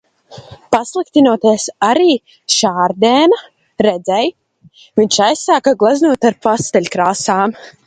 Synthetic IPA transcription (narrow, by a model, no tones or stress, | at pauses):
paslˠik̚t̪ʲinuɔt̪iɛsaɾiː | ʃaːɾd̪ɛːna | ɾɛd̪zɛj | viɲʃajsaːkaɡlˠaznuɔt̪aɾpast̪ɛlʲkɾaːsaːm